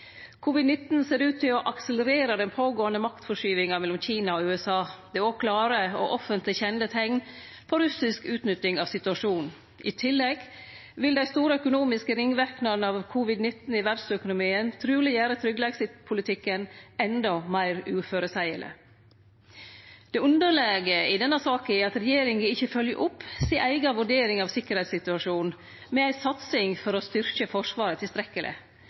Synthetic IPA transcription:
kʰʊʋɪd̪nɪt̪n̩seːɾʉːt̪ʰɪlɔʔɑksələɾeːɾəd̪ɛnpʰoːɡoːənəmɑkt̪fɔʂyːʋɪŋɑmɛlʊmçiːnɑoʉːɛsɑːd̪̥ɛokʰlɑːɾəoʔɔfənt̪lɪçɛnət̪ʰɛŋn | pʰoɾʉsɪskʉːt̪nʏt̪ɪŋɑʋsɪt̪ʉɑʂuːn | ʔɪ̰t̪ʰɪlːɛɡ | ʋɪld̪æɪst̪uːɾəœkʊnuːmɪskəɾɪŋʋæɾknɑnɑʋkʰʊʋɪd̪nɪt̪n̩ɪʋæɾɖsœkʊnʊmiːənt̪ʰɾʉːlɪjæːɾət̪ʰɾʏɡlɛːɡsɪt̪pʰʊlɪt̪ʰɪkːənɛnd̪ɔmæɪɾʉːføːɾəsæɪə̰lə̰ | d̪̥ɛʉnd̪əɾɭeːɡəɪd̪ɛnːəsɑːkəɪɑt̪ɾɛjeːɾɪŋɪɪçːəfœljə̰ʔʊpːseːʔæɪɡɑʋʉɖeːɾɪŋɑʋsɪkːəɾhɛɪt̪sɪt̪ʉɑʂuːn | mɛæɪsɑt̪sɪŋfɔɾɔst̪ʏɾkəfɔʂʋɑːɾət̪ʰɪlst̪ɾɛkːəlʔɪ̰

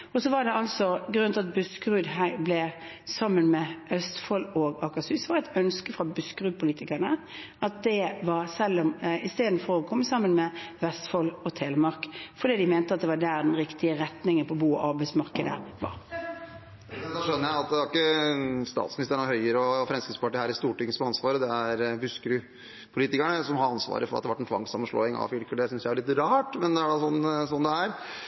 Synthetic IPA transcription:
ɔsɔʋɑɖɛɑlsɔɡɾʉnɪɑt̪̚bʉskɾʉːd̪ɦæɪblɛ | sɑmːənmɛœst̪fɔloːɡɑkɑsysʋɑɾæɪt̪œnskəfɾɑbʉskɾʉːpʰʊliːt̪ɪkænə | ɑt̪̚d̪ɛʋɑɾsɛlːɔmɪst̪eːd̪n̩fɔɾɔkʰɔmːəsɑmːənmɛʋɛst̪fɔlɔt̪ʰeːləmɑɾkfɔɖ̪iːd̪ɪmɛːnt̪əɑt̪̚d̪ɛʋɑd̪æːɾd̪ɛnɾɪkt̪ɪəɾɛt̪nɪŋənpʰɔːbuːɔʔɑɾbæɪsmɑʁkəd̪ə̰ʋɑ̰ɾ | d̪ɔʂœnːəɾjæɪɑt̪̚d̪ɛæɾɪkːəst̪ɑ̰ːt̪smɪnɪst̪əɳɔhœʏəɾəɔfɾɛnskəspʰɑʈiːhæːɾɪst̪uːʈɪŋsɔmɑnsʋɑːɾəd̪ɛæɾbʉskəɾʉ | pʰʊliːt̪ɪkæɳəsɔmhɑɾɑnsʋɑ̰ːɾəfɔɾɑ̰t̪d̪ɛʋɑʈɛnt̪ʰʋɑ̰ŋsɑmːənʂɭɔ̰ːɪŋɑ̰fʏlkəd̪ɛsʏnsjææɭɪt̪ɾɑːʈmɛnd̪ɛæɖɑsɔnːsɔnd̪ɛæɾ

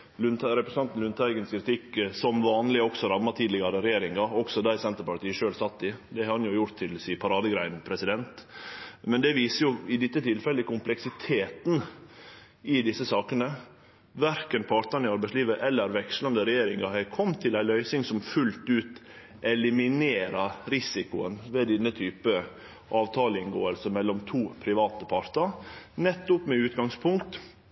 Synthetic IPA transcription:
lʉnɾɛpɾəsn̩ʰɑnt̪n̩ʉnt̪ʰæɪɡənskʰɾɪt̪ʰɪkːsɔmʋɑːnlɪɔksɔɾɑmːɑt̪ʰiːd̪lɪɡɑɾəɾɛjeːɾɪŋɑɔɡsɔd̪æɪsɛnt̪əɾpɑʈ̪iːəʂøːlsɑt̪ːɪd̪ɛhɑɾɑnjʊjʊɾt̪ʰːɪlsiːpʰɑɾɑːd̪əɡɾæɪnpʰɾɛsɪd̪ɛnt̪ | mɛnd̪ɛʋiːsəjʊɪd̪ɪt̪ːət̪ʰɪlfɛlːəkʰʊmplɛksɪt̪ʰeːt̪n̩ | ɪd̪ɪsːəsɑːkənə | ʋæɾkənpʰɑɾt̪ɑnɪɑɾbæɪsliːʋəʔɛlːəɾʋɛkʂlɑnd̪əɾɛjeːɾɪŋɑhækʰɔmːt̪ʰɪlæɪlœʏsɪŋsɔmfʉlt̪ʉːt̪ | ʔɛlɪmɪneːɾɑɾɪsɪkʊə̰nʋeːd̪ɛnːət̪ʰyːpə | ʔɑːʋt̪ʰɑːləɪnɡoːəlsəmɛlːɔmt̪ʰuːpʰɾɪʋɑːt̪əpʰɑɾt̪əɾnɛt̪ːʊpmɛʉːt̪ɡɑŋspʰʊŋkt̪

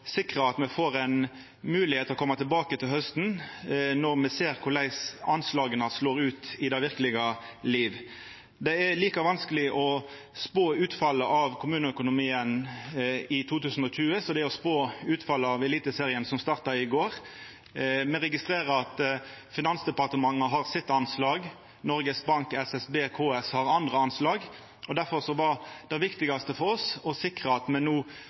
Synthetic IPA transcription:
sɪkʁəɑt̪mɛfoːʁɛn | mʉːlɪheːt̪ɔkʰɔmːɑt̪ʰɪlbɑːkət̪ʰɪlhœst̪nnɔʁmɛseːɾkʰʊlæɪsɑnslɑːɡənəsloːʁʉːt̪ɪd̪æɪʋɪʁkəlɪɡəliːʋ | d̪ɛæliːkɑʋɑnskəlɪʔɔ | spoːʉːt̪fɑlːəʔɑʋkʰʊmʉːnəœkʊnʊmiːən | ɪt̪ʰuːt̪ʉːsn̩ɔçʉːəsɔd̪ɛæɔspoːʉːt̪fɑlːəɑʋɛliːt̪əseːʁɪənsɔmst̪ɑːʁt̪ɑɪɡoːʁ | mɛɾɛɡɪst̪ʁeːʁəɑt̪ | fɪnɑnsd̪ɛpɑʁt̪əmɑŋːəɦɑʁsɪt̪ːɑnslɑːɡ | nɔɾɡəsbɑŋkɛsɛsbeːkʰoːɛshɑʁɑnd̪ʁəɑnslɑːɡ | ɔd̪æɾfɔʁsɔʋɑd̪̥ɛɪʋɪkt̪ɪɡɑst̪əfɔɾɔsɔsɪkʁəɑt̪mɛnnuː

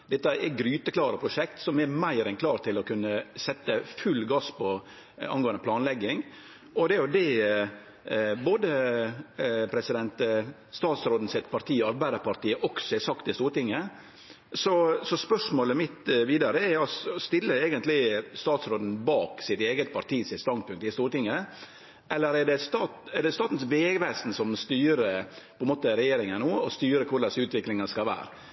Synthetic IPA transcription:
d̪ɛt̪ːəɛɡɾyːt̪əklɑːɾəpʰɾʊʂɛkt̪sɔmɛmæɪɾɛnkʰlɑːɾt̪ʰɪlɔkʰʉnːəsɛt̪ːəfʉlːɡɑspɔ | ɑ̰nɡoːənd̪əpʰlɑːnlɛɡːɪŋ | ʔɔd̪ɛʊd̪ɛ | boːd̪ə | pʰɾɛsɪd̪ɛnt̪ | st̪ɑːt̪sɾoːd̪n̩sɛt̪pʰɑɾt̪ʰiːəɑɾbæɪd̪əɾpɑɾt̪iːəʔɔksɔɛsɑkt̪d̪ɛst̪uːɾt̪ɪŋːə | sɔsɔspœʂmoːləmɪt̪ʋiːd̪ɑɾəɛɾɔsst̪ɪlːəeːɡənt̪lɪst̪ɑːt̪sɾoːd̪n̩bɑːksɪt̪eːɡət̪̚pʰɑɾʈ̪iːsɪt̪st̪ɑnd̪̚pʰʉŋk̚t̪ɪst̪uːɾʈɪŋːə | ʔɛlːəɾɛɖɛst̪ɑːt̪ɛɾɖɛst̪ɑːt̪n̩sʋeːɡʋæːsn̩sɔmst̪yːɾəpʰɔɛnmoːt̪əɾɛjeːɾɪŋənnoːɔst̪yːɾəkʰʊɾɖ̪ɛsʉːt̪ʋɪklɪŋɑskɑʋæ̰ːɾ

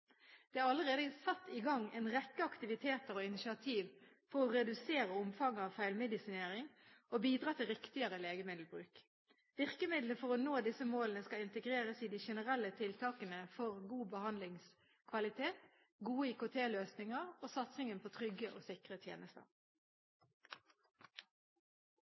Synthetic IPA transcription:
d̪̥ɛːæʁɑləʁeːd̪əsɑt̪ːɪɡɑŋɛɪnʁɛkːəɑkt̪ɪʋɪt̪ʰeːt̪əɾoːɪnɪʃɪɑt̪ʰiːʋ | fɔʁɔʁɛd̪ʉseːɾəʊmfɑŋːɑʋfæɪlmɛd̪ɪsɪneːɾɪŋobiːd̪ɾʁɑːt̪ʰɪlʁɪkt̪ɪəɾəleːɡəmɪd̪l̩bʁʉ̰ːk | ʋɪʁkəmɪd̪ləfɔʁɔnoːd̪ɪsəmoːlənəskɑɪnt̪əɡʁeːʁəsiːd̪iʃɛnəʁɛlːət̪ʰɪlt̪ʰɑːkənəfɔʁɡuːbəhɑnd̪lɪŋs | kʰʋɑlɪt̪ʰeːt̪ | ɡuːəiːkʊt̪ʰeːløːsnɪŋəʁoːsɑt̪sɪŋənpʰoːt̪ʰʁʏɡəʔo̰ːsɪkʁət̪ʰjḛːnəst̪ə̰ʁ

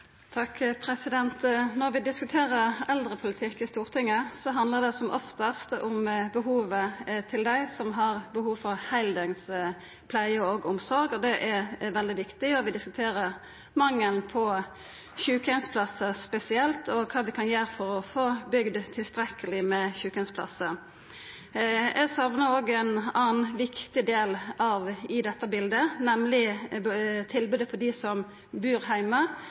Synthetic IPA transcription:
t̪ʰɑkːpʰʁɛsɪd̪ɛnt̪nɔʁʋɪd̪ɪskʉt̪ʰeːʁəʁɛld̪ʁəpʰʊlɪt̪ʰɪkːɪst̪uːʁt̪ʰɪŋːəsɔɦɑnd̪ləʁd̪ɛsɔmʔɔft̪ɑst̪ʊmbəɦuːʋət̪ʰɪld̪æɪsɔmɦɑʁbəhuːʋfɔʁhæɪld̪əŋs | pʰlæɪəoɡʊmsɔʁɡɔd̪ɛʔɛʁʋɛld̪ɪʋɪkt̪ɪɔʋɪd̪ɪskʉt̪ʰeːʁəʁ | mɑŋːəlpʰɔ | çʉːkənspʰlɑsəspɛsɪɛlt̪ɔkʰɑːʋɪkʰɑnjøːɾfɔɾɔfoːbʏɡd̪t̪ʰɪlst̪ɾɛkːəlɪmɛçʉːkɛnspʰlɑ̰sːə | ɛsɑʋnəoːɡɛnɑːnʋɪkt̪ɪd̪eːlɑʋɪd̪ɛt̪ːəbɪld̪ənɛmlɪ | t̪ʰɪlbʉːd̪əfɔd̪ɪsɔm | bʉːɾɦæɪmə

